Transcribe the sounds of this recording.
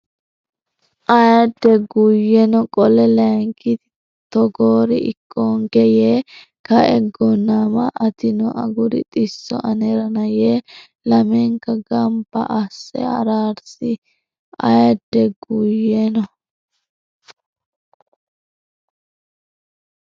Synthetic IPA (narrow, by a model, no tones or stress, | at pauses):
ʔɐjɐd̪ːɛɡujɛnɔkʼɔlɛlɐŋkɪt̪ɪ | t̪ɔɡoːɾɪʔɪkʰːoːŋɡɛjeː | kɐɛɡːɔnamɐʔɐt̪ɪnɔʔɐ̰ɡʊɾɪ̰t̪ʼɪsːɔ̰ʔɐnɛɾɐnɐje | lɐmɛŋkɐɡɐmbɐ̰ʔɐsːɛ̰ɐ̰ɾaːɾsɪ | ɐ̰jɐd̪ːɛɡujenɔ